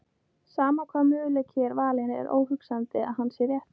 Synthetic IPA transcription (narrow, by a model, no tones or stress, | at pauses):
saːmakʰvaːmʏʏlɛcʰɛɾvaːlɪnɪɛ̰ɾʔo̰ːwhʏksant̪ɪa̰ðɦanːsjɛɾjɛht̪